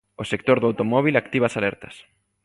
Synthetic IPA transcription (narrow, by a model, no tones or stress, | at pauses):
osek̚t̪oɾðoawt̪omɔβ̞ilakt̪iβasalɛɾt̪ɐ̥s